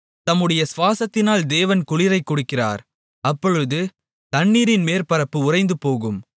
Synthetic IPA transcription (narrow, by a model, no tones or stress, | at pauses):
t̪ɐmːɯɽɐjɐsʋaːsɐt̪ːɪnaːld̪eːʋɐnkʊɭɪɾɐɪkːʊɽɯkːɪra̰ːɾ | ɐpːɔɻɯðɯ | t̪ɐɳːiːɾɪnmeːɾpɐɾɐpːɯʊrɐɪnd̪ɯpoːɣɯm